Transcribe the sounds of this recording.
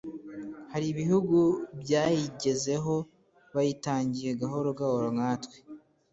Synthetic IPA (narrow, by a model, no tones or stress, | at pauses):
haɾiβihuɡubjaːjiɟe̞ze̞ɦo̞ | βajitaːɲɟije̞ɡaɦo̞ɾoɡaoɾoŋaːtwe̥